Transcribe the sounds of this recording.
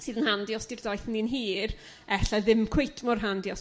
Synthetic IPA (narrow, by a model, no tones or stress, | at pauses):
sɨːðənhandiɔsd̥irdɔjθninɦiːr | ɛɬaðɪmkʰw̥ejtʰmɔrɦandiɔs